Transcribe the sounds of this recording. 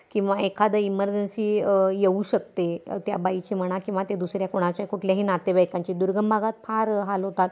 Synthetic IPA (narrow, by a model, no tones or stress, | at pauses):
kĩw̃ʋaekʰad̪əiməɾd͡ʑənsiːjeuɕək̚t̪et̪jabait͡ɕim̤əɽ̃akĩw̃ʋat̪jed̪usɾjakoɽ̃at͡ɕakuʈʰljaɦiːnat̪ebajkãɲt͡ɕiːd̪uɾɡəmbʱaɡat̪̚paɾɦalɦot̪at̪